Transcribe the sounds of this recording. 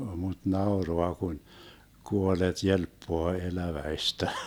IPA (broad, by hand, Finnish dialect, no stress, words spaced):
mut nɑoroɑ kun kuolet jelpːoɑ elæʋæistæ